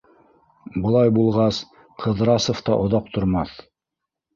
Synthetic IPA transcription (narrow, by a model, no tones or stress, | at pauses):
bŏlˠɑjbulˠʁɑs | qʰɤ̆ðɾɑsŏft̪ɑʔŏðɑq̚t̪ŏɾmɑθ